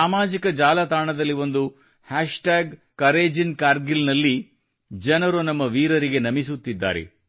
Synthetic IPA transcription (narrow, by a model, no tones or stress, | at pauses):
aːmaːd͡ʒikɐd͡ʒaːlɐt̪aːɳɐd̪ɐlːiʋo̞nd̪u | haːʂʈaːɡ | kɐɾeːd͡ʒinkaːɾɡilnɐlːi | d͡ʒɐnɐɾunɐmːɐʋiːɾɐɾiɡe̞nɐmisut̪ːid̪ːa̰ːɾḛ